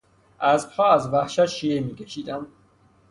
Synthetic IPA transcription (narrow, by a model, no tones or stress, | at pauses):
æzpʰɑːzvæhʃæt̪ʃiemiːkʰʲeʃiːd̪æm